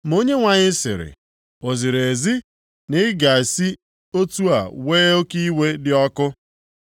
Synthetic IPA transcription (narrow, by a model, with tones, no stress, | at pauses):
m̩˨o˦ɲe˦ŋʷa˨ɲɪ˦sɪ̰˨ɾɪ̰˨ | o˨zi˨ɾe˨zi˦ | nɪ˦ɡa˨si˦ | o˦tu˦a˨weː˦o˦ki˦we˦dɪ˦ɔ˦kʊ˦